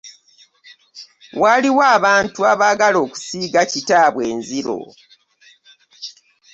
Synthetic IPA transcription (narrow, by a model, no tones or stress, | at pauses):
waːliwaːβaːntuaβaːɡalo̞ːku̥siːɡacitaːβweːnziɾo̞̰